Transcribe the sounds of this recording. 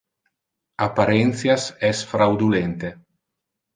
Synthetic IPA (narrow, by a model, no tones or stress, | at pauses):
apaɾɛnt̪θsjasɛsfɾawd̪ulent̪e